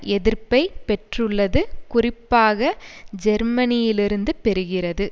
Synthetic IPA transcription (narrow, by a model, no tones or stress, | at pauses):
ɛðɪɾpɐɪpɛʈrɯɭːɐðɯkʊrɪpːaːɣɐd͡ʒɛɾmɐnɪjɪlɪɾɯnd̪ɯpɛɾɯɣɪrɐðɯ